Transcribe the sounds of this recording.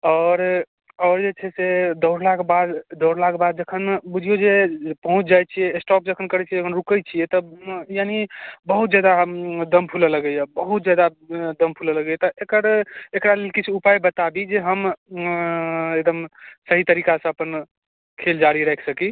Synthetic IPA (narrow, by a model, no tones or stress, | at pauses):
ɔɾ | ɔɾd͡ʒet͡ʃʰɛsed̪əɽlakbad̪d̪ɔɾlakbad̪̚d͡ʒəkʰənbud͡ʒʱijod͡ʒepəɦũt͡ʃʰd͡ʒajt͡ʃʰiɛːsʈɔp̚d͡ʒəkʰənkəɾɛt͡ʃʰid͡ʒəkʰənɾukət͡ʃʰiɛt̪ɔjanibəɦut̪d͡ʒad̪ad̪əmpʰulələɡəjɛbəɦut̪̚d͡ʒad̪ad̪əmpʰulələɡɛjt̪ɔʔekəɾekɾalelkit͡ʃʰupajbət̪abid͡ʒeɦəm | ek̚d̪əmsəɦit̪əɾikasə̃əpən | kʰeld͡ʒaɽiɾɛɦɛkʰsəki